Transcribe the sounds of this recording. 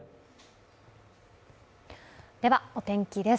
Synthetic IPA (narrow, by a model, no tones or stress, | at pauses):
d̪̥e̞βao̞t̪ẽ̞ŋkʲid̪e̞s